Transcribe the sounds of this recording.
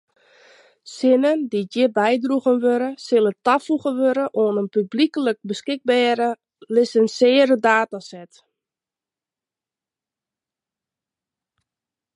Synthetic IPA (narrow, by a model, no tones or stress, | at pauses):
sɪnəndid͡ʒɪbɛjdruɣənʋøɾəsɪlˠətafuɣəʋøɾəʔoənənpyblikələk̚bəskɪɡ̚bɛːɾə | lɪsɛnsɪəɾədaːtasɛt